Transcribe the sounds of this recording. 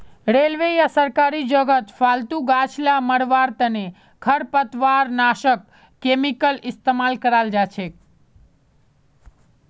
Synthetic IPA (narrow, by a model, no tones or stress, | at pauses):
ɾelʋejasəɾkaɾid͡ʒəɡət̪falt̪ũɡat͡ʃʰlaməɽʋaɾt̪əne | kʰəɾpət̪ʋaɾnaʃəkː | emikəlɪst̪emalkəɾald͡ʒat͡ʃʰe